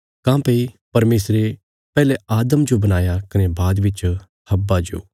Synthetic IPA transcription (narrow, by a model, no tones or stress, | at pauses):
kãːpei | pɐɾmeːsɾe | pɛːlɛaːd̪əmd͡ʒobɐnaːjakɐnebaːd̪ʋɪt͡ʃ | hɐbːad͡ʒo̰ː